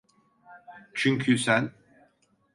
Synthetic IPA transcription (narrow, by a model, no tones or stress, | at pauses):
t͡ʃʰyɲcʰysæn